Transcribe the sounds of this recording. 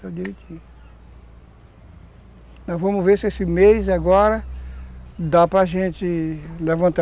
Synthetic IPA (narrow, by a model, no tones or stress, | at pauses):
ad͡ʒiɾet͡ʃĩ | nɔ̃vɐ̃mʊveɾsɪesɪmejzaɡɔɾɐ | d̪apɾaʒẽt͡ʃɪlɛvɐ̃nt̪a